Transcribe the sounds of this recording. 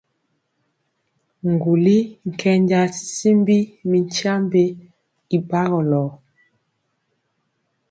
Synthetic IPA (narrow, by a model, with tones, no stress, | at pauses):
ŋ˨ɡu˨li˦ŋ̩˨kʰɛ˦ɲd͡ʒa˦si̥˨si˦mbi˦mi˨ɲ˦t͡ʃa˦mbe˦ | i˨ba˦ɣɔ˨lɔ˨